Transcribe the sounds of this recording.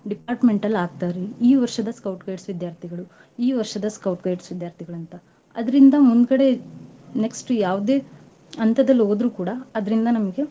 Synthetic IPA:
ɖipaːɾʈme̞ɳʈɐlːaːɡ̚t̪aːɾeiːʋɐɾʃɐd̪ɐskɐwʈɡɐjʈsʋid̪jaːɾt̪ʰiɡɐɭu | iːʋɐɾʃɐd̪ɐskɐwʈɡɐjʈsʋid̪jaːɾt̪ʰiɡɐɭɐnt̪ɐ | ɐd̪ɐɾind̪ɐmund̪kɐɽe̞ne̞ksʈjaːʋd̪e̞ː | ɐnt̪ɐd̪ɐlːo̞ːd̪ɾuːkuːɽɐɐd̪ɐɾind̪ɐnɐmɐɡe̞

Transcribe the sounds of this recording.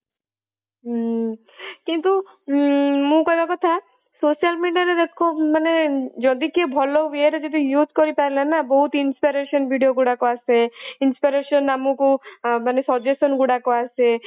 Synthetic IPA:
kint̪u | mũkɔjbakɔt̪ʰa | sosialmiɖijaɾed̪ekʰomaned͡ʒɔd̪ikebʱɔloʋeɾd͡ʒɔd̪ijud͡ʒkɔɾipaɾelanabɔɦut̪inspiɾeʃɔnbʱiɖijoɡuɽakɔaseinspiɾeʃɔnːamũkumanesɔd͡ʒesɔnɡuɽakɔase

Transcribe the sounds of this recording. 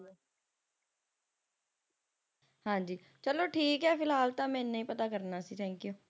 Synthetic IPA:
hãːd͡ʒiː | t͡ʃəloːʈʰiːkɦɛːpɪlɦaːlt̪ãːmɛ̃ːnːaĩːpət̪aːkəɾnaːsiːt̪ʰɛ̃ːŋkjuː

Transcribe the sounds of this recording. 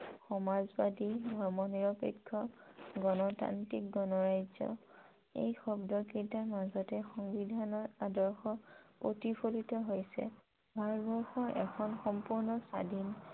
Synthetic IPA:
xɔmazbadidʱɔɹmɔniɹɔpekʰːɔɡɔnɔta̰ntik̚ɡɔnɔɹajzɔ̰ | ḛjxɔbdɔkintamazɔtɛxɔŋbidʱanɔtadɔɹxɔpɹotipʰolitɔɦojsɛ̰ | bʱaɹɔtbɔɹxɔʔɛ̰kʰɔnxɔmpuɹnɔsa̰din

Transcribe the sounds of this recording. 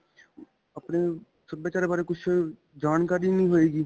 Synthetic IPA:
əpne | səeːt͡ʃaːɾeːbaːɾekʊt͡ʃʰ | d͡ʒaːnkaːɾinĩːɦoːeːɡiː

